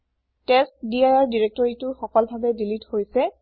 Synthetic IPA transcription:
tɛstdiajaɹdiɹɛk̚tɔɹitʊɹxɔkɔlbʱabɛdilithojsɛ

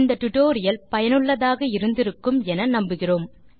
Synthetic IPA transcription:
nd̪ɐt̪ʊʈoːɾɪjɐlpɐjɐnɯɭːɐðaːɣɐɪɾɯnd̪ɪɾɯkːɯmɛnɐnɐmbɯɣɪroːm

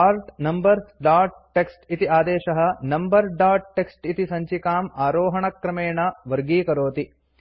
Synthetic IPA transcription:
aːɾʈnɐmbɐɾɖaːʈ̚ʈeksʈit̪iaːd̪eːʃɐɦɐ̆nɐmbɐɾɖaːɾʈ̚ʈeksʈit̪isɐɲt͡ʃikaːmaːɾoːɦɐɳɐkɾɐmeːɳɐʋɐɾɡiːkɐɾoːt̪i

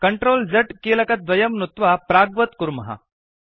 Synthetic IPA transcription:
kəɳʈɾoːld͡zəʈkelɐkɐt̪̚d̪ʋɐjɐmnut̪ʋapɾaɡʋət̪kuɾmɐɦa̰

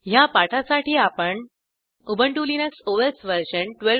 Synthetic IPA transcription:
japaʈʰasaʈiːapəɳ | ubəɳʈulinəksoʋesʋəɾɕənʈʋel

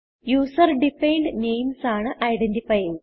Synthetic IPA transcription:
juːsɐrɖifejɳɖnejmsaːɳɨʔɐjɖendifɐj

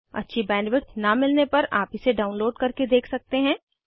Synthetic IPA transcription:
ɐ̰tːʃʰibɛ̃ːɳɖʋɪɾʈ̪namɪlnepɐɾaːpɪseɖaːʊ̃nloːɖkɐɾked̪eːkʰsɐk̚t̪eɦɛ̃ː

